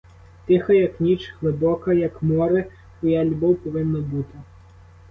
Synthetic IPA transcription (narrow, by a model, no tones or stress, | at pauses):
t̪ɪxɐjɐknʲit͡ʃɣlˠɪbɔkɐjɐkmɔɾɪ | ʊjalʲbɔwpɔʋɪnːɐbut̪ɪ